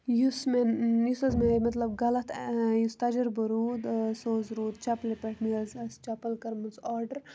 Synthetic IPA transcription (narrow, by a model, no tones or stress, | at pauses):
jusmenjusɐzmemɐt̪lɐb̚ɡɐlɐt̪ʰjust̪ɐd͡ʒɐɾbəɾuːd̪soːzɾuːd̪̚t͡ʃɐplepeʈʰmiɐzɐst͡ʃɐpɐlkɐɾmɐnsaːɾɖəɾ